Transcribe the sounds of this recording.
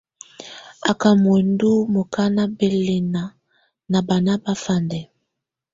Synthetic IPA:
a˨ka˨mo˨ndu˦mo˨ka˦na˦be˨le˨na˨ | na˨ba˨na˦ba˦fa˦ndɛ˨

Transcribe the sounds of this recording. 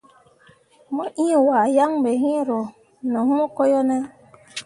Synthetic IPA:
mɔ˦ʔĩ˦˨waː˨ja˦ŋbe˨ɦĩ˦ɾo˨ | nɔ˨hu˦mo˦ko˦jo˦nɛ˦

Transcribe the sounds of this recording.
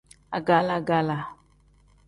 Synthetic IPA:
a˨ɡa˦la˧ɡa˦la˨

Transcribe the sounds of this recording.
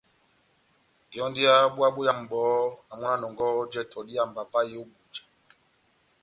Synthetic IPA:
jɔ˦ndi˦a˦ɓwa˦ɓu˦ja˦m̩˨bɔː˨˦a˨mu˦na˦nɔ˨ŋɡɔ˦d͡ʒɛ˦˨tʰɔ˨di˦a˦˨m̩˨ba˨pa˦ji˦u˦bu˨nd͡ʒḁ˨

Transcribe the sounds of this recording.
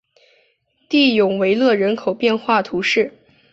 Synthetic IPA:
t̪i˥˩jʊ˨˩ŋwe˧˥ɪlɤ˥˩ɻə˧˥nkʰo˨˩ʊpjɛ˥˧nxwa˥˩t̪ʰu˧˥ʂɻ̩˥˩

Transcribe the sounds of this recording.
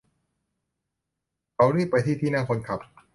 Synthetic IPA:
kʰa˨˦wɾiː˥˩pa˧jt̪ʰiː˥˩iː˥˩naː˥˩ŋkʰo˧nkʰa˨˩p̚

